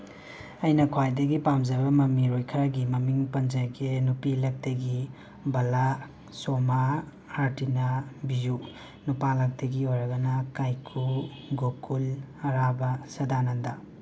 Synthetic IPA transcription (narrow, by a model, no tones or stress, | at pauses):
ɐjnɐkʰwajdɐɡipamzɐbɐmɐmiɾojkʰɐɾaɡimɐmiŋpɐnzajɡenupilɐk̚tɐɡi | bɐla | somaː | ɾtinabiju | nupalɐk̚tɐɡiojɾɐɡɐnɐkajkʰuɡokʰulɐɾabɐsɐdanɐndɐ